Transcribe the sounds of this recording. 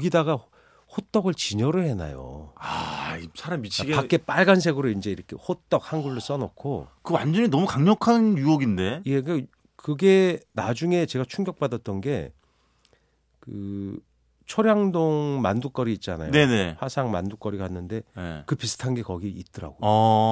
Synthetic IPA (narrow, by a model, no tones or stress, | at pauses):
ɡidaɡa | hot͈ʌɡɯɭt͡ɕiɲʌɾɯɭhe̞na̰jo̰aisʰaɾamit͡ɕʰiɡepak͈e̞p͈aɭɡansʰe̞ɡɯɾoind͡ʑe̞iɾʌkʰe̞̰hot͈ʌk̚hanɡuɭːos͈ʌnʌkʰokɯwand͡ʑʌɲinʌmukaŋɲʌkʰanjuʌɡinde̞je̞ka | kɯɡe̞nad͡ʑuŋe̞t͡ɕe̞ɡat͡ɕʰuŋɡjʌk̚p͈adʌt͈ʌnɡe̞ | kɯ | t͡ɕʰʌɾjaŋdoŋma̰nduk͈ʌɾiːt̚t͡ɕ͈ana̰jne̞ne̞hasʰaŋma̰nduk͈ʌɾiɡahanːɯnde̞ekɯpisʰɯ̥tʰanɡe̞kʌɡiit̚t͈ʌɾa̰ɡo